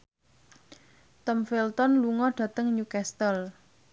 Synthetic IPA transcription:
t̪ɔmfilt̪ɔnluŋɔɖ̥ä̤t̪əŋɲukɛst̪əl

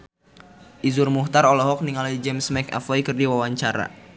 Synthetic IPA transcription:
ʔizurmuht̪aɾɔlɔɦɔk̚niŋalaid͡ʒɛmsmɛka̰fɔikərdiwawaɲt͡ʃaɾa̰

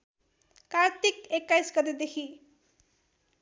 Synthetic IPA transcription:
kaɾt̪ikekːajsɡʌd̪id̪ekʰi

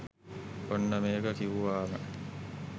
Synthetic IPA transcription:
onːəmeːɡəkiʋuʋaːmə

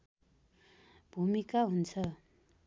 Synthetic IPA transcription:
b̥ʱumikaɦunt͡sʰʌ

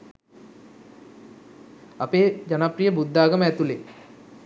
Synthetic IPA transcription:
apeːd͡ʒanaprijəbud̪ːaːɡəməæt̪ule

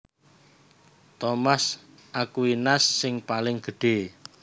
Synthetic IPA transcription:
t̪ɔmas | ʔakuinasːɪŋpalɪŋɡ̥ə̤ɖ̥e̤

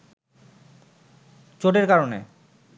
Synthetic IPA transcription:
t͡ɕoʈeɾkaɾonḛ

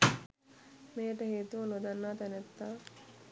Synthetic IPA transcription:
meːəʈəɦeːt̪uʋɐnod̪anːaːt̪ɛnet̪ːaː

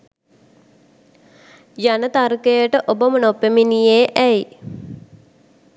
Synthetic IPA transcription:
janət̪arkejəʈəʔobəmənopːeminijeːʔæj

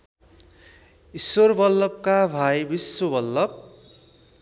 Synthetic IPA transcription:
isworbʌlːʌp̚kabʱajbiswobʌlːʌp̚

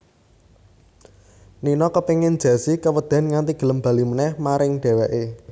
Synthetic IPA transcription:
ninɔkəpiŋɪn̥d͡ʒ̥ä̤sikəwəd̪̥ä̤nŋant̪iɡ̥ə̤ləmba̤limənɛhmaɾɪŋɖ̥e̤wɛʔe

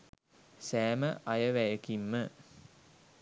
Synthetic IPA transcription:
sæːməʔajəʋæjəkimːə

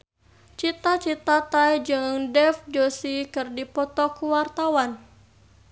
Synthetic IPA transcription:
t͡ʃit̪at͡ʃit̪at̪ajd͡ʒɨŋdɛfd͡ʒosikɨrdipɔt̪ɔkuwart̪awan

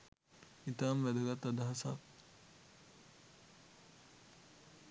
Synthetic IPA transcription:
it̪aːmʋæd̪əɡat̪ːad̪aɦasa̰t

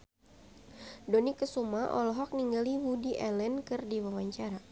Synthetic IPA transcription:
donikəsumaʔɔ̰lɔɦɔk̚niŋɡaliwudiʔɛlɛnkɨrdiwawaɲt͡ʃaɾa

